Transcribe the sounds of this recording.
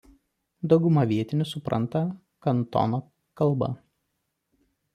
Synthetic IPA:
d̪ɒʊɡʊmɐʋʲiɛt̪ʲɪnʲʊsʊpɾʔɐ̰nˑt̪ɐ | kɐnt̪ɔ̰noː | kɐlˠˑbɐ̰

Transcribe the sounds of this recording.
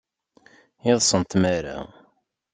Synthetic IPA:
ɪðˤsˤənt̪mæɾa̰

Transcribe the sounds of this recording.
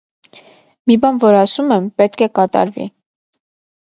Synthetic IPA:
mibɑnvɔɾɑsumɛmpɛt̪kʰɛkɑt̪ɑ̰ɾvḭ

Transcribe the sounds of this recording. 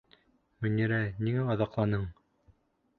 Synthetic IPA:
mɵ̆nʲiɾæniŋæɑðɑqlˠɑnɤɴ

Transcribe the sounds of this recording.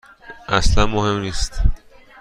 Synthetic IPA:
ʔæslænmohe̞mniːst̪

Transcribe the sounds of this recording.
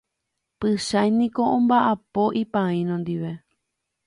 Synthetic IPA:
pɨʃajnĩko̞ʔõmbaʔapo̞ʔipãĩnõnd̪iʋe̞

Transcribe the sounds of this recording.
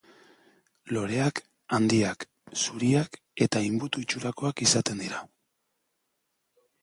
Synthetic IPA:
lo̞ɾe̞ak | and̪iak | suɾiak | e̞t̪aimbut̪uit͡ʃuɾako̞akisat̪e̞nd̪iɾa

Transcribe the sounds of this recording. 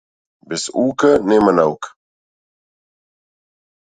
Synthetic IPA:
bɪsuːkənemənawk

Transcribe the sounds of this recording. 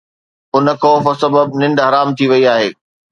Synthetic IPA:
ʊnə̆kʰoːfəsɐbəb̚nɪ̃ɳɖɦɐɾaːmt̪ʰiʋɐiaːɦeː

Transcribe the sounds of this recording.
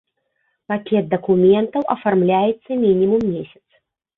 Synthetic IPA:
pakʲɛt̪̚d̪ɐkumʲɛnt̪ɐwʔɐfarmlʲajɛt̪sːɐmʲinʲimumːʲesʲɐ̥t̪s

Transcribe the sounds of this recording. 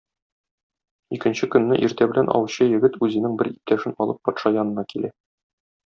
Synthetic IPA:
ikɘ̆nɕɘkɵ̆nːɘʔiɾt̪æbɘ̆lænʔɒ̰wɕɤjɘ̆ɡɘt̪ʉzɘ̆nɘŋbɘɾip̚t̪ʰæʃɘnɒlˠɤpːɒt̪ʃɑjɒnɤ̆nɑkilæ

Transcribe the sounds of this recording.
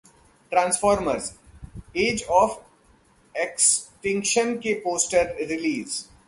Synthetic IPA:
ʈɾãːnsfɔːɾməɾz | eːd͡ʒɔːf | eksʈɪ̃ŋkʃə̃nkepoːsʈəɾɾɪliːz

